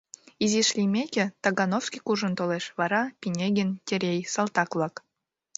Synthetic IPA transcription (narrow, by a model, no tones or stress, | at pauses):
izʲiʃlʲimʲekʲĕt̪ɑɡɑnofskʲikuʒɤ̆nt̪oleʃβɑɾɑpʲinʲeɡʲɘntʲeɾʲejsɑlˠt̪ɑklˠɑk